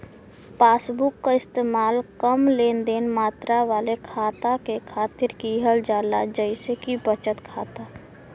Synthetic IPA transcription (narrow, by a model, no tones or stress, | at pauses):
paːsbʊkːaɪst̪eːmaːlkəmleːnd̪eːnmaːt̪ɾaʋaːlekʰaːt̪akekʰaːt̪ɪɾkiɦəld͡ʒaːla̰d͡ʒəɪsekibət͡ʃət̪kʰaːt̪a